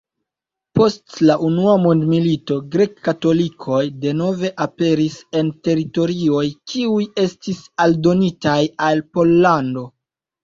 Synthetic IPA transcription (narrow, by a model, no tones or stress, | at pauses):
po̞stlaʔunuamondmilito̞ɡɾe̞kːato̞likʰo̞jde̞no̞ve̞ʔape̞ɾise̞nte̞ɾito̞ɾio̞jkʰiuje̞stisaldo̞nitajalpo̞lːando̞